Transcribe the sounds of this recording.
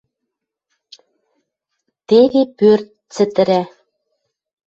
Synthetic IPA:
t̪eɣepørt̪̚t͡sɘ̆t̪ɘ̆ɾæ

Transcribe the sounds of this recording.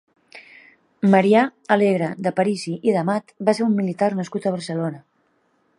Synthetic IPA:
məɾiaəleɣɾəd̪əpəɾiziʔiðəmat̪baseɾumːilit̪arnəskut̪əβ̞əɾsəlonə

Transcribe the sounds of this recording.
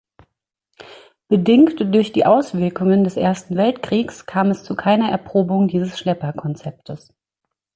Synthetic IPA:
b̥ədɪŋktd̥ʊɐçd̥iːʔaʊsv̥ɪɐkʊŋəndɛsʔeːɐstn̩vɛltkʁ̥iːkskʰaːmɛst͡sukʰaɪnɐɛɐpʁ̥oːbʊŋdiːzəsʃlɛpɐkʰɔnt͡sɛp̚tʰəs

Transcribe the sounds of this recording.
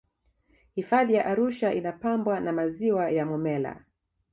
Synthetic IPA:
hifaðijaʔaɾuʃaʔinapambwanamaziwajamɔmɛla̰

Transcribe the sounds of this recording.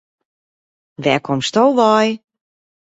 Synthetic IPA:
ʋɛːkʰomstowʋaj

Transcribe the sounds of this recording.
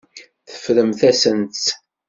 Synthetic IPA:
θə̥fɾəmθæsənt̪

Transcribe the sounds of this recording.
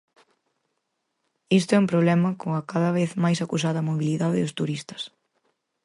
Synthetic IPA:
ist̪ʊɛumpɾoβlɛmɐkoŋɐkaðɐβeθmajsɐkus̬aðɐmoβiliðaðɪðʊst̪uɾist̪ɐ̥s

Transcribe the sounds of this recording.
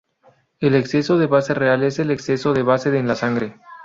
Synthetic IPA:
ele̞kse̞so̞ðe̞βase̞reale̞se̞lekse̞so̞ðe̞βase̞ðenlasaŋɡɾe

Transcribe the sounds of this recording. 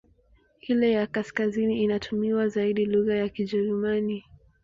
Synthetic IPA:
hilɛjakaskaziniːnatʰumiwazaiɗiluɣajakiʄɛɾumani

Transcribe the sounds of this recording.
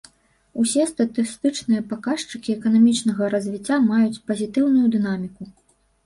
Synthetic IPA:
usʲɛst̪ɐt̪ɨst̪ɨt͡ʂnɨjɐpakaʂt͡ʂɨkʲiɛkɐnamʲit͡ʂnɐɣɐɾɐzʲvʲit͡sʲːamajut͡sʲpɐzʲit̪ɨwnujud̪ɨnamʲiku

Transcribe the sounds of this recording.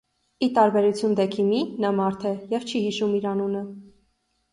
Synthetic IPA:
it̪ɑɾbɛɾut͡sʰjund̪ɛkʰiminɑmɑɾt̪ʰɛjɛvt͡ʃʰihiʃumiɾɑnunə

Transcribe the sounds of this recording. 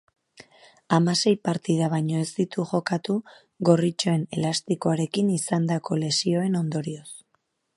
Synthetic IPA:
amase̞jpaɾt̪ið̞aβ̞ajɲo̞e̞zd̪it̪uʝo̞kat̪u | ɣo̞rit͡ʃo̞e̞ne̞last̪ikoaɾe̞kinisand̪ako̞le̞sio̞e̞no̞nd̪o̞ɾio̞s

